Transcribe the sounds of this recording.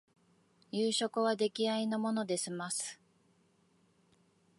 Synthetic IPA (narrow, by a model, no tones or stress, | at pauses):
jɯːɕo̞kɯβad̪e̞kʲiaino̞mo̞no̞d̪e̞sɨmasɨ̥